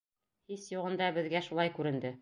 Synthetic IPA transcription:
hisjuʁɤ̆nd̪ɑbɘ̆ðɡæʃulˠɑjkʉɾɘ̆nd̪ɘ

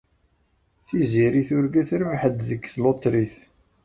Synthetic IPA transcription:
θiziɾiθʊɾɡæθɾʊʕħəd̪ðəɡːθlot̪ˤːɾiθ

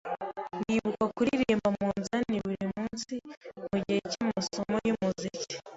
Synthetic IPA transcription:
ndiβukakuɾiɾiːmbamuːnzaniβuɾimuːnsimuɟecimasomojumuzici̥

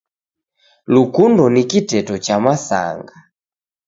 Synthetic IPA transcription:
lukundɔnikitɛtɔt͡ʃamasa̰ŋɡa

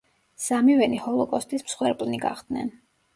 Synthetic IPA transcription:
samivɛnihɔlˠɔkʼɔst̪ʼismsχwɛɾpʼlniɡa̰χd̪̥nɛ̰n

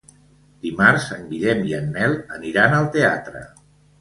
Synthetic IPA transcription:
d̪̥imaɾzəmbiʎɛmiənːɛlˠəniɾanəlˠt̪eat̪ɾə̰

